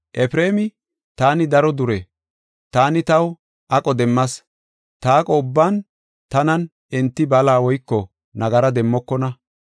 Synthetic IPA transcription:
ʔɛfɾe̞ːmɪ | t̪aːnɪd̪ɐɾɔd̪ʊɾɛ | t̪aːnɪt̪ɐw | ʔɐkʼɔd̪ɛmːɐs | t̪aːkʼɔːbːaːn | t̪ɐnɐn | ɛnt̪ːɪbɐlaːwɔjkːɔ | nɐɡɐɾɐd̪ɛmːɔkːɔnɐ

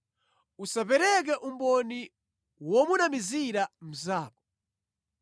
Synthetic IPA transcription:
usapɛɾɛk̬ɛʔumbɔni | wɔmunamiziɾam̩zaːkɔ̥

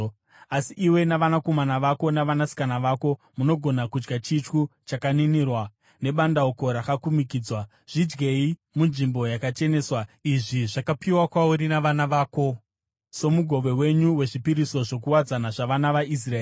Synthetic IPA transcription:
asiʔiwe̞naʋanako̞manaʋako̞naʋanasi̥kanaʋako̞ | muno̞ɡʱo̞nakud͡ʒɡat͡ʃit͡ʃkut͡ʃakaninirwa | ne̞ɓandaoko̞ɾakakumikiːd͡zwa | ʐ̥id͡ʒɡe̞i | munʐimbo̞jakat͡ʃe̞ne̞ːswaiʐiʐakapiwakwauɾinaʋanaʋaːko̞ | so̞muɡʱo̞ʋe̞we̞ɲuwe̞ʐipiɾiso̞ʐo̞kuwad͡zanaʐaʋanaʋais̬raeː

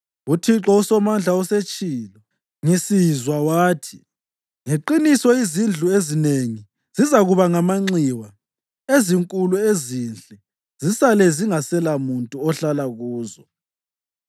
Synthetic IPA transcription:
utʰiǁɔusɔmand͡ɮʱaɔset͡ʃʼilɔ | ŋisizwawaːtʰi̥ | ŋeǃinisɔizind͡ɮʱuezineŋi | zizaɣuβaŋamaŋ͡ǀiwa | eziŋkʼuluezind͡ɮʱɛ | zisalɛziŋasɛlamuntʼuɔɬalaɣuːzɔ

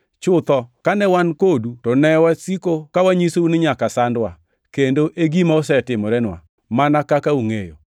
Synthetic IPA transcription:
t͡ʃʊt̪ɔkanɛwankodutɔnɛwasikokawaɲisounɪɲakasandwa | kendoʔeɡimaɔsɛtɪmɔɾɛnwa̰ | manakakauŋejo̰

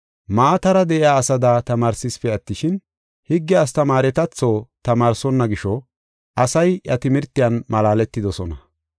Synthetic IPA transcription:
maːt̪ɐɾɐd̪ɛʔɪaːsɐd̪aːt̪ɐmaːɾsɪspɛɐt̪ːɪʃɪn | hɪɡːɛɐs̬t̪ɐmaːɾɛt̪ɐt͡sːoːt̪ɐmaːɾsɔnːɐɡɪʃɔ | ʔɐsɐjjɐt̪ɪmɪɾt̪ːɪjɐnmɐlaːlɛt̪ːɪd̪ɔsɔnɐ

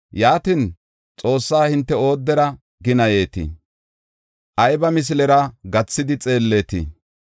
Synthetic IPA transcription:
jaːt̪in | t͡sʼo̞ːsːaːhɪnt̪ːɛo̞ːd̪ːɛɾɐ | ɡɪnɐje̞ːt̪ɪ̰ | ʔɐjbɐmɪs̬lɛɾɐɡɐt͡sːɪd̪ɪt͡sʼe̞ːlːe̞ːt̪ɪ̰

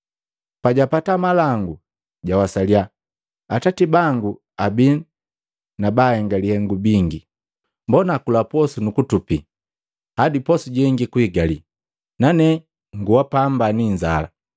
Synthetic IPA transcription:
paɟapatamalaŋɡu | ɟawasalia | atatibaŋɡu | abi | nabahɛŋɡalihɛŋɡubiŋɡi | mbɔnakulapɔsunukutupḭ | hadipɔsuɟɛŋɡikuiɡali | nanɛ | ŋɡuwapambaniɲd͡ʒa̰la̰

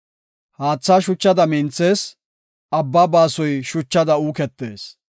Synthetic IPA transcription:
haːt͡sːaːʃʊt͡ʃːɐd̪ɐmɪnt͡sːe̞ːs | ɐbːaːbaːsɔjʃʊt͡ʃːɐd̪ɐuːkɛt̪ːe̞̰ːs

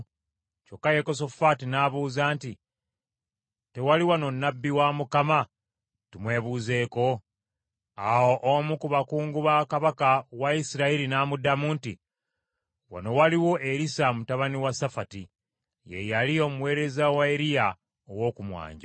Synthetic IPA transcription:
cokːajekos̬o̞fatinaβuːzaːnti | te̞waliwano̞nːabːiwamukama | tumwe̞ːβuːze̞ːko̞ | awo̞ʔomukuβakuːŋɡuβakaβakawaisiɾaiɾinaːmudamuːntḭ | wa̰no̞waliwo̞ʔeɾisamutaβaniwasafati | jḛjalio̞ːmuwe̞ːɾe̞zawaeɾija | owo̞ːkumwa̰ːɲɟa

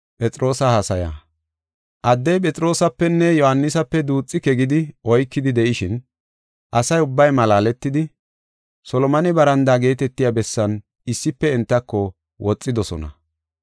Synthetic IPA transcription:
pʼɛt͡sʼɾo̞ːsɐhasɐja̰ː | ʔɐd̪ːɛjpʼɛt͡sʼɾo̞ːsɐpːɛnːɛjɔhɐnːɪsɐpːɛd̪uːt͡sʼːɪkɛɡɪd̪ɪɔjkːɪd̪ɪd̪ɛʔɪʃɪn | ʔɐsɐjʊbːɐjmɐlaːlɛt̪ːɪd̪ɪ | sɔlɔmɐnɪbɐɾɐnd̪aːɡe̞ːt̪ɛt̪ːɪjabɛsːɐn | ɪsːɪpːɛɛnt̪ːɐkːɔ | wʔɔt͡sʼːɪd̪ɔsɔ̰nɐ̰

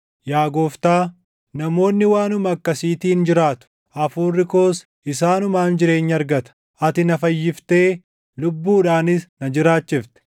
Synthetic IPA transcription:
jaːɡo̞ːft̪aː | nɐmo̞ːnːɪwaːnʊmɐɐkːɐsiːt̪iːnd͡ʒɪɾaːt̪ʊ̥ | ʔɐfuːrːɪko̞ːs | ɪsaːnʊmaːnd͡ʒɪɾe̞ːɲːɐɐɾɡɐt̪ɐ̥ | ʔɐt̪ɪnɐfɐjːɪft̪e̞ː | lʊbːuːᶑaːnɪsnɐd͡ʒɪɾaːt͡ʃːɪft̪ɛ̥

